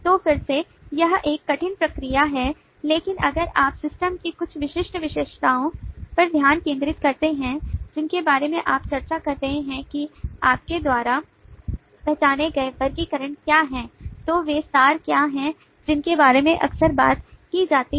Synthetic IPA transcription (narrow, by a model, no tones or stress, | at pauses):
t̪ofɪɾse | jɐɦeːkːɐʈʰɪnpɾɐkɾijaɦɛ | leːkɪnɐɡəɾaːpsɪsʈəmkikʊt͡ʃʰʋɪʃɪʃʈʋɪʃeːʃt̪aːõpɐɾd̪ʱjaːnkẽːnd̪ɾɪt̪kɐɾt̪eɦɛ̃d͡ʒɪnkebaːɾemẽʔaːpt͡ʃɐɾt͡ʃakɐɾtɐɦẽɦɛ̃kiaːp̚ked̪waːɾa | pɛɦt͡ʃaːneɡɐebɐɾkikɐɾəɳkjaːɦɛ̃ːt̪oːʋesaːɾkjaːɦɛ̃ | d͡ʒɪnkebaːɾemẽʔɐ̰ksəɾbaːt̪kid͡ʒaːt̪i